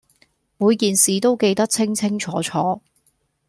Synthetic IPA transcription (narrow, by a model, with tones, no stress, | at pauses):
muː˨˧jkiː˨nsiː˨t̪o˥wke˧jt̪ɐ˥k̚t͡sʰɪ˥ŋt͡sʰɪ˥ŋt͡sʰɔː˨˥t͡ʃʰɔː˨˥